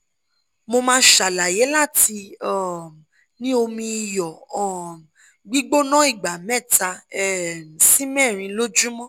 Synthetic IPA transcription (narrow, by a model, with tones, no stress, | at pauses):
mo˧mãː˦ʃa˨la˨je˨˦la˦˨ti˧ɔ˦˨ | nĩ˦o˧mĩ˧jɔ˨ɔ˦˨ | ɡ͡bi˦ɡ͡bo˦nɔ̃˦i˦˨ɡ͡ba˨mɛ̃˦˨ta˧ɛ˦˨sĩ˦mɛ̃˦˨ɾ̃ĩ˧lo˦d͡ʒũ˦mɔ̃˦